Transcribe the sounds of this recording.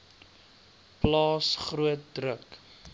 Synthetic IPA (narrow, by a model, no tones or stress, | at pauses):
plɑːsχruət̚drək